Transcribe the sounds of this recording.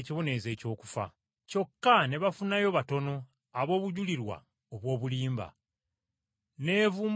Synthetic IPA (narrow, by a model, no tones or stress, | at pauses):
ciβone̞ze̞ːco̞ːku̥fa̰ | co̞kːane̞βafunajo̞βato̞no̞ | aβo̞ːβuɟuliɾwa̰ | oβwo̞ːβuliːmba̰ | ne̞ːvuːm